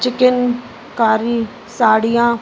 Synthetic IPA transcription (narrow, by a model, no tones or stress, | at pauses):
t͡ʃɪkɪn | kaːɾiː | saːɽijãː